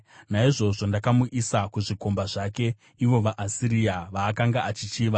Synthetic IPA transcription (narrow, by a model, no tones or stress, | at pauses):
naiʐo̞ʐo̞ndakamuʔisakuʐiko̞mbaʐake̞ | iwo̞ʋaʔasiɾijaʋaːkaŋɡaʔat͡ʃit͡ʃiːʋa